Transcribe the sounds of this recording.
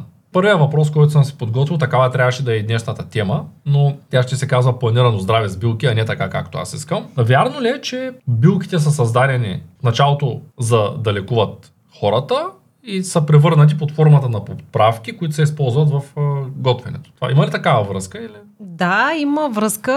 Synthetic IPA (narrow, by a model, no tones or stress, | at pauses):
pɤɾvijəvɐpɾɔs̬kɔjt̪osəmsɛ̥pod̪ɡɔt̪vʲilˠt̪ɐkavət̪ɾʲavɐʃɛd̪ɐɛid̪nɛʃnɐt̪ɐt̪ɛmənot̪ʲjaʃt̪ɛsɛkazvɐplˠɐniɾɐnozd̪ɾavɛzbilˠkʲiɐnɛt̪ɐkaka̰kt̪oa̰siskəmˠvʲaɾnoliɛt͡ʃɛbilˠkʲi̥t̪ɛs̬əs̬ɐzd̪aɾʲɛnḭfnɐt͡ʃalˠot̪ozɐd̪ɐlɛkuvɐt̪̚ | xɔɾɐt̪ə | isəpɾɛvɤɾnɐt̪̬ipot̪fɔɾmɐt̪ənɐpopɾafk̟ikoit̪ʊsɛispɔlˠzvɐt̪vɐfɡɔt̪vɛnɛ̰t̪o̥t̪ova̰ʔimɐlit̪ɐkavɐvɾɤskəili | d̪aiməvɾəskə